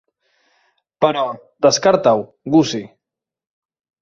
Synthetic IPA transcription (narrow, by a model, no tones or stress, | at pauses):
pəɾɔ | d̪əskaɾt̪aw | ɡusi